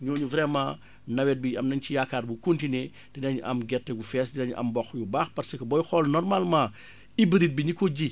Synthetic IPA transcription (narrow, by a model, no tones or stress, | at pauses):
ɲuːɲuvɾɛmã | nɐwɛt̚biɐmnɐɲt͡ʃijakaːrbukuntinɛ | dinɐɲʔɐmɡɛtːɛɡufɛsdinɐɲuʔɐ̰mbɔxjubaxpɐɾsɐkɐbɔjxɔlnɔrmalmãː | ibəɾit̚biɲikɔɟi